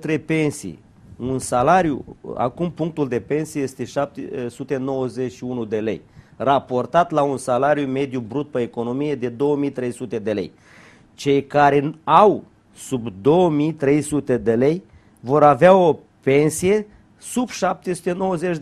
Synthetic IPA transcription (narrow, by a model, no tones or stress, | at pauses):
t̪ɾe̞pe̞nsḭj | unsalaɾjṵa̰kumpuŋk̚t̪uld̪e̞pe̞nsijeje̞st̪e̞ʃap̚t̪esut̪e̞no̞wəzet͡ʃʲʃiunud̪e̞le̞̰jrapo̞rt̪at̪launsalaɾjume̞d̪jubɾut̪̚pəeko̞no̞mije̞d̪e̞d̪o̞wəmijt̪ɾe̞jsut̪e̞d̪e̞le̞̰j | t͡ʃe̞jkaɾe̞aw | subd̪o̞wəmijt̪ɾe̞jsut̪e̞d̪ele̞j | vo̞ɾaveao | pe̞nsije̞ | subʃap̚t̪e̞sut̪e̞no̞wəze̞t͡ʃ